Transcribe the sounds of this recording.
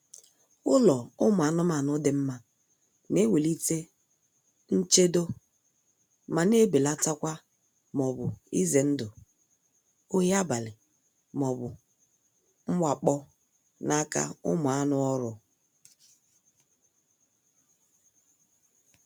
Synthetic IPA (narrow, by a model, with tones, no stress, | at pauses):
ʊ˦lɔ˨ʊ˦mʊ˨a˨nʊ˦ma˨nʊ˦dɪ˨m̩˦ma˦ | ne˦we˨li˦te˦ | n̩˦t͡ʃe˦do˦ | ma˨ne˦be˨la˦ta˦kʷa˦ | mɔ˨bʊ˨ḭ˦ze˨n̩˦dʊ˨ | o˦ɦa˦ba˨lɪ˨ | m˨ɔ˨bʊ˨ | ŋ͡m̩˦wʷa˨k͡pɔ˦ | na˦ka̰˦ʊ̰˦mʊ˨a˦nʊ˦ɔ˦ɾʊ˨